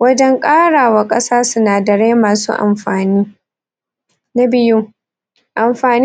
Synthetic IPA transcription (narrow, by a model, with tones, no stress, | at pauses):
wɐ˦d͡ʒɛ˦ŋkʼaː˦ɽaː˨wa˨kʼɐ˦saː˦sʊ˦naː˨dɐ˨ɽeː˦maː˨sṵː˦ʔa̰˨mɸaː˨niː˦ | na˦bɪ˦ju˦ | ʔa˨mɸaː˨n